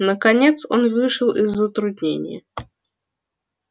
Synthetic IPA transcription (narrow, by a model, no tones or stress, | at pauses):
nəkɐnʲet̪so̞̰nvɨʂəlˠɪzːət̪ɾʊd̪ʲnʲḛnʲɪ̰jə̰